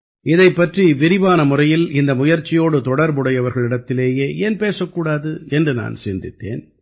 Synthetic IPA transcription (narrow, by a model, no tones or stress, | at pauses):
ɪðɐɪpːɐʈriʋɪɾɪbaːnɐmʊrɐjɪlɪnd̪ɐmʊjɐɾt͡ʃːɪjoːɽɯt̪ɔɽɐɾbʊɽɐjɐʋɐɾɣɐɭɪɽɐt̪ːɪleːjeːʔeːnpeːsɐkːuːɽaːðɯɛndrɯna̰ːnsɪnd̪ɪt̪ːḛːn